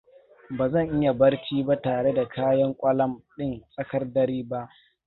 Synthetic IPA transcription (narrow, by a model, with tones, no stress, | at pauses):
baː˨zɐ˦˨ŋʔɪ˦ja˨bɐ˦rt͡ʃiː˦ba˦taː˨ɽe˦da˨kʰaː˦jɐ˦ŋkʷʼɐ˦lɐ˦mɗɪ˦˨nsʼɐ˦kɐ˦rdɐ˨ɾiː˦ba˦ʔ